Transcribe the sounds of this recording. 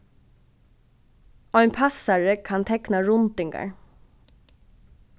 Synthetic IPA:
ɔʏnpʰasaɹəkʰant̪ʰɛknaɹʊnt̪ɪŋɡa̰ɹ

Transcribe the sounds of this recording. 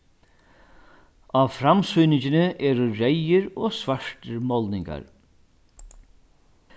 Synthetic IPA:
aʋfɾamsujnɪt͡ʃɪnɪʔɛːɾʊɹejɪɾoːsvaʂʈɪɾmɔlnɪŋka̰ɾ

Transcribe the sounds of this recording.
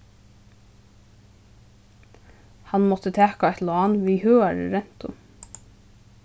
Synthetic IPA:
hɑnmɔt̪ət̪ʰæːkɑɛɪt̪loɑːnʋiːhøːɑɾə̰ɾɛn̥t̪ʊ̰m

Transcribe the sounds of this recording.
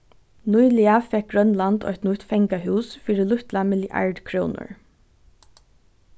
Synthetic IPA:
nujlɪafɛk̚ɡɹœnland̪ɔ̰jt̪nʊt̪fɛŋkaɦʉːsfiːɾɪlʊht̪lamɪljʔa̰ɹɖkʰɹoːnʊ̰ɹ

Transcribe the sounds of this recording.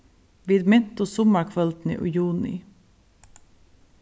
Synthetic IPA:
ʋiːd̪mɛnt̪ʊsɔməkʰʋœlt̪n̩ḭːʔʊ̰juːnɪ̰

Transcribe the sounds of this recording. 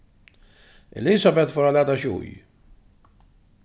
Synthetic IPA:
ɛ̰lisabɛt̪fɔɾalat̪aʃṵj

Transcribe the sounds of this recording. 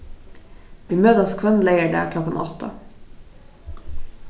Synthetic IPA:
ʋiːmøːd̪əskʰʋɛnleɪəɖæ̰ːʁkʰlɔkːənɔt̪ʰə̰

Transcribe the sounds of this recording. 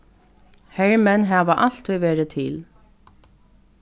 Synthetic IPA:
hɛɹmɛnɦæːʋaʔal̥t̪ʰɔjʋeːɾɪt̪ʰɪl

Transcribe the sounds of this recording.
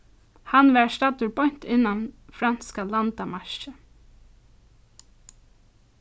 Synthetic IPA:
hanʋɛɹst̪at̪ʊɹbɔjɲ̥t̪ɪnːanfɾanskalant̪amaɹ̥ʃə

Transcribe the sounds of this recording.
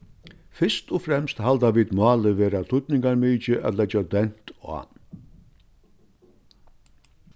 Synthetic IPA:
fɪst̪ɔfɾɛmst̪hald̪aʋiːd̪mɑːləʋeːɾat̪ʰʊt̪nɪŋkaɾmiːt͡ʃɪʔæ̰t̪lɛd͡ʒad̪ɛn̥t̪a̰ː

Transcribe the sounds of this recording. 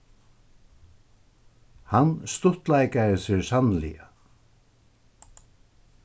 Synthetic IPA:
hanst̪ʊht̪lajkaɾɪsɪɹsanlḭa

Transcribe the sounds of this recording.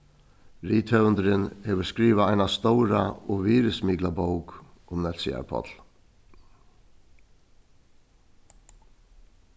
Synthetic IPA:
ɾiːt̪ʰœvənd̪ɾɪnhɛːʋəɾskɾiːʋaaɪnast̪oʊɾa̰ɔʋiːɾəsmiːklaboʊkʊmnɛt̪sɪa̰ɾpʰɔ̰t̪l̥

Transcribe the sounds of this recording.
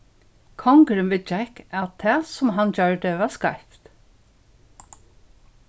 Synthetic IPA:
kʰɔŋkɾɪmʋɪt͡ʃɛkat̪ʰɛːsʊmɦand͡ʒœɹd̪ɪʋaskajft̪

